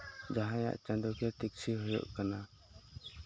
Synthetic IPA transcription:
d͡ʒaɦãja̰ʔt͡ʃãnd̪ɔkɛʈ̪ik̚sʰiɦɔjɔ̰ʔkana

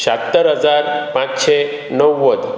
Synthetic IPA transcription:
ɕat̪ːəɾɦəd͡zaɾpãt͡sɕe | nəwːəd̪

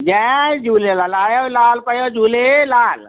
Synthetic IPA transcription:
d͡ʒɛd͡ʒuːlelalaːjolaːlpəjod͡ʒuːlelaːl

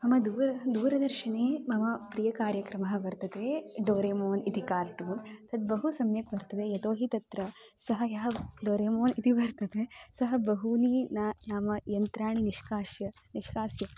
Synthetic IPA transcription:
mɐmɐd̪uːɾɐd̪uːɾɐd̪ɐɾʃɐɳeːmɐmɐpɾijɐkaːɾjɐkɾɐmɐɦɐʋɐɾt̪ɐt̪eːɖoːɾeːmoːnit̪ikaːɾʈut̪ɐd̪̚bɐɦusɐmjɐkʋɐɾt̪ɐʋeːjɐt̪oːɦit̪ɐt̪ɾɐsɐɦɐjɐɦɐɖoːɾeːmoːnit̪ibɐɾt̪ɐt̪esɐɦɐbɐɦuniːnaːnaːmɐjɐnt̪ɾaːɳiniʃkaːjɐ | niʃkaːsjɐ

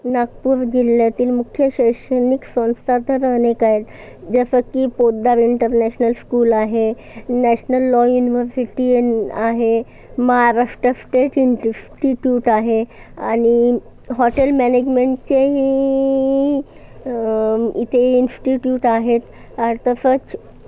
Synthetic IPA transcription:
naɡpuɾd͡ʑilːjat̪iːlmukʰjəɕəjʂəniksə̃ñst̪ʰat̪əɾənekaɦet̪ | d͡ʑəsəkːiːpod̪aɾiɳʈəɾnɛɕnəlskuːlaɦe | næɕnəlːɔjuniʋəɾsiʈiaɦe | məɦaɾaʂʈəsʈeʈinsʈiʈjuːʈaɦeañi | ɦɔʈelmæned͡ʑmeɳʈ̚t͡ɕeɦi | it̪ʰeinsʈiʈjuːʈaɦet̪ | aɾt̪əsət͡s

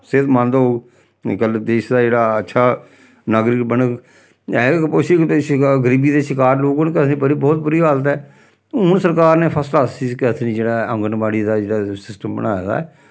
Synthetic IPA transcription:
sɪt̪mə̃nd̪aɦoːɡ | kəld̪eːʃd̪aːd͡ʒeːɽaːətːʃʰaː | naːɡɾiːbənək | ɛːpʊsiːʃɡəɾiːbiːd̪eːʃɪkaːɾloːɡonkət̪niːbəɾiːbɔːt̪̚bʊɾiːɦaːlət̪̬ɛː | ʊnsəɾkaːɾneːpʰəslaːsiːskɛt̪ʰnĩːd͡ʒeːɽaːəŋɡənbaːɽiːd̪aːd͡ʒeːɽaːsɪsʈəmbə̰naːjd̪a̰ɛ

